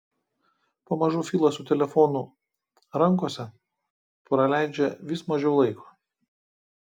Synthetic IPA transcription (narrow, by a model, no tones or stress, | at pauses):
pomɐʒuːfʲiːlˠɐsʊt̪ʲɛlʲɛfɔnʊ | ɾɐŋˑkoːsʲɛ | pɾɐlʲæˑɪd͡ʒʲɛʋʲiːsmɐʒʲɛʊlˠɐɪkʰoː